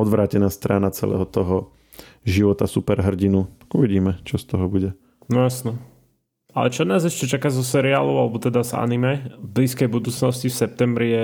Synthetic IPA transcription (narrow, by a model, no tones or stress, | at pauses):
ɔd̪ʋɾaːcɛnaːst̪ɾaːnat͡sɛ̰lɛ̰ːɦɔt̪ɔɦɔ | ʒiʋɔt̪asupɛɾɦr̩ɟinuḁkuʋiɟiːmɛt͡ʃɔst̪ɔɦɔbuɟɛ | nɔjasnɛ | alɛ̰t͡ʃɔnaːzɛʃcɛt͡ʃakaːzɔsɛɾia̰ːlɔʊalɛbɔt̪ɛd̪aza̰nimɛvbliːskɛjbud̪uːt͡snɔscifsɛp̚t̪ɛmbɾijɛ